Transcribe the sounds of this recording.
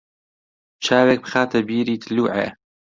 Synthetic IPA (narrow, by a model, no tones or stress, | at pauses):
t͡ʃʰaːweːk̚bxaːt̪ʰɐbiːɾiːt̪ʰɨluːʕḛː